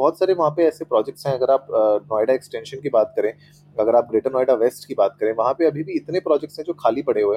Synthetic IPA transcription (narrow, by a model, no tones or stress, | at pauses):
bɔːt̪saːɾeʋɐɦãpeɛːsepɾɔːd͡ʒɛk̚ʈsɦɛ̃ɐɡəɾaːpːnɔːɪɖaɛksʈɛ̃ːnʃənkibaːt̪̚kɐɾẽː | ɐɡəɾaːp̚ɡɾeːʈəɾnɔːɪɖaʋeːsʈkibaːt̪̚kɐɾẽːʋɐɦãpeɐbʱibʱiɪt̪nepɾɔːd͡ʒɛk̚ʈsɦɛ̃d͡ʒoːkʰaːlipɐɽ̤eɦoɛ